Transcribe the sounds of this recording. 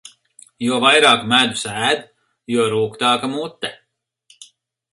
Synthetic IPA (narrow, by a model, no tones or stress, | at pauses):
juɔvajɾaːkmæd̪usæːd̪ | juɔɾuːkt̪aːkamut̪ːɛ